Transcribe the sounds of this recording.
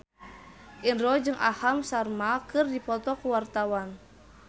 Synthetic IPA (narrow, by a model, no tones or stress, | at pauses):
ʔinrɔd͡ʒɨŋʔahamsarmakɨrdipɔt̪ɔkuwart̪awan